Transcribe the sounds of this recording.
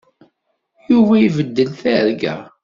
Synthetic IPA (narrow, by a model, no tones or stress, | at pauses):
juvæjivəd̪ːəlθæɾɡæ̰